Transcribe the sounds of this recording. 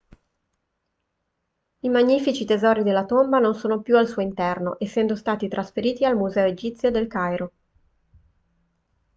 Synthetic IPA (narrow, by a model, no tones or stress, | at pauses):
imaɲːiːfit͡ʃit̪ezɔːɾid̪elːat̪ombanonsoːnopjualsuːoint̪ɛrno̰ʔesːɛnd̪ost̪aːt̪it̪ɾasfeɾiːt̪ialmuzɛːoed͡ʒit̪sjod̪elkajɾo